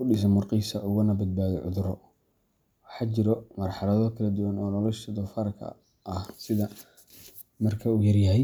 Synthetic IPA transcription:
kʰʊɖɪs̬ɐnmʊrqiːsɐʔʊɣʊnɐbɐd̪̚baːðɔʕʊ̰ðʊɾɔ | wɑħɑːt͡ʃɪɾɔmɐrħɑlɐðɔkʰɐlɐd̪ʊwɐnɔːnɔlɔʃɐd̪ɔfɐɾkʰɐ̰ | ɐhsɪðɐ | mɐrkʰɐuːjɐrjɐɦɛj

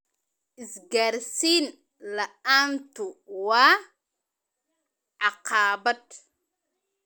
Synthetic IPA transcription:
ʔisɡaɾsin | lɐant̪uwa | ʕaqaːbɐt̪

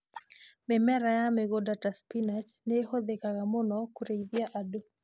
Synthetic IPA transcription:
mɛmɛɾajameɡodataspinat͡ʃnehod̪ekaɡamʊnɔkuɾeiðjaʔado

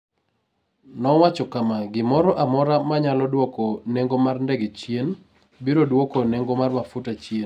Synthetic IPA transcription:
nɔwat͡ʃɔkamaɡɪmɔɾɔʔamɔɾamaɲalɔdwɔkoneŋɡomarndɛɡet͡ʃjen | biɾodwokoneŋɡomarmafutat͡ʃjen

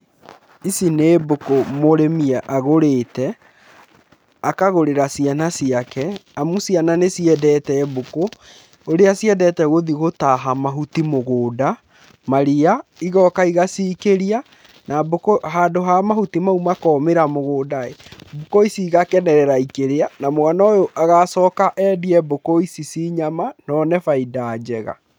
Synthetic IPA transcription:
isineːbokomoɾemiaʔaɣoɾeːtɛ | akaɣoɾeɾasianasiakɛamusiananesiɛdɛːtɛːboko | oɾeasiɛdɛtɛɣoðiɣotaɦamaɦutimoɣoːda | maɾiaiɣɔkaiɣasikeɾia | nabokoɦaːdoɦamahutimaumakɔmeɾamoɣoːdaebokoisiːɣakɛnɛɾɛɾaikeɾeanamoanaojoʔaɣasɔːkaʔɛːdiɛbokoisisiɲamanɔnɛfaidaːd͡ʑɛɣa̰

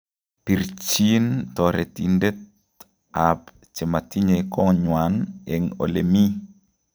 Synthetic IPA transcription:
piɾt͡ʃintɔɾɛtindet̚ | ap | t͡ʃɛmatiɲekɔɲwanɛŋo̰lemi

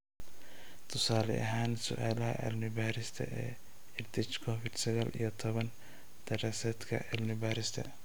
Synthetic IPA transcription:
t̪ʰʊsaːlɛ̰ʔɐɦaːnsʊ̰ʔaːlɐɦɐ̰ʔɐ̰lnɪbaːɾɪst̪ʰɐ̰ʔɛː | ɪrd̪ʰɪt͡ʃkʰɔfɪd̪sɐɣaːlʔḭjɞt̪ʰɔβɐn | d̪̥ɐɾasɐːd̪kʰɐ̰ʔɐlnɪbaːɾɪst̪ʰɐ̰

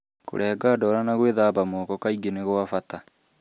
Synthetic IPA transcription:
ko̰ɾʔɛːɡadɔɾanaɣweðaːbamɔːkɔkaiɡeneɣwafata

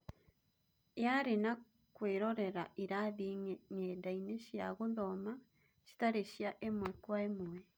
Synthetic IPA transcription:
jaɾina | kweːɾoɾe̞ɾaʔiɾaðiŋeɲedaineʃja̰ɣuðoma | ʃi̥taɾiʃjaʔemwekwaemuwe

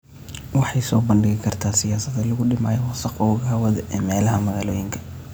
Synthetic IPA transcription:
wɑħɑjsɔːbɐnɖɪɣɪkʰɐrt̪ʰaːsɪjaːsɐðɛlɐɣʊɖɪmaːjɛwɐsɐqɔːɣɐɐwɐðɛʔɛːmɛːlɐɦɐmɐɣaːlɔːjɪŋkʰɐ̥

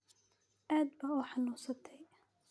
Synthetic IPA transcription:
ʔaːd̪bɐuːħɑnuːsɐt̪ʰɛj

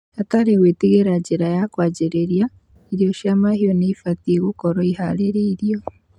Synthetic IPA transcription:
ataɾewetiɣeɾad͡ʒeɾajakwaɟeɾeɾja | iɾiɔʃjamahiɔneifateɣokɔɾɔiɦaɾeɾeiɾiɔ

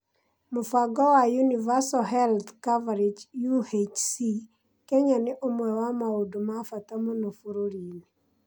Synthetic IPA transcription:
mofaɡɔwajunivasoɦɛlt̪kavaɾid͡ʒjuhet͡ʃsi | keɲanɪʔomwɛwamaudomafat̪amonofuɾoɾini

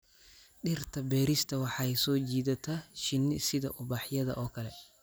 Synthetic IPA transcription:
ɗɪrt̪ʰɐbɛːɾɪst̪ʰɐwɑħɑːɛsɔːd͡ʒiːd̪ɐt̪ʰɐʃɪnːɪsɪðɐʔʊbaːħjɐðɐ̰ʔɔːkɐlɛ

